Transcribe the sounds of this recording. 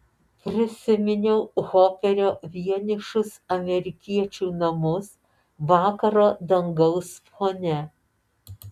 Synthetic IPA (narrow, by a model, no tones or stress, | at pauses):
pʲɾʲɪsʲɪmʲɪnʲɛʊɣoːpʲɛɾʲoːʋʲiɛnʲɪʃʊsɐmʲɛɾʲɪkʲiɛt͡ʃʲuːnɐmʊs | ʋɑːkɐɾoːd̪ɐŋɡɐʊsfoːnʲɛ